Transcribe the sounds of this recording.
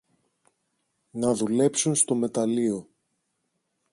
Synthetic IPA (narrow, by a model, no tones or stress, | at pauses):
nɐðule̞psunst̪o̞me̞t̪ɐlio̞